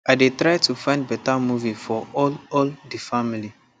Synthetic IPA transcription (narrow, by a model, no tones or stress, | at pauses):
ajdetɹajtufãɪ̃nd̚bɛtamuvifɔɔlɔldifamili